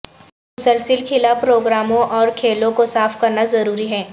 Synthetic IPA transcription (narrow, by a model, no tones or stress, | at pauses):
mmʊsəlsɪlkʰɪlapɾoːɡɾaːmõʔɔːɾkʰeːlõkosaːfkɐɾnazɐɾuːɾiɦɛː